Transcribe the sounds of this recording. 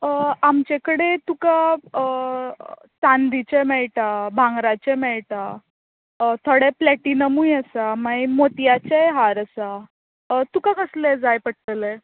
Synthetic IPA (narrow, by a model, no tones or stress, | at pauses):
amt͡ɕekəɽet̪uka | sand̪it͡ɕemɛɭʈabʱãŋɡɾat͡ɕemɛɭʈa | t̪ʰoɽɛplɛʈinəmujəsamaimot̪jat͡ɕejɦaɾəsa | t̪ukaɡəsled͡zajpəʈʈəle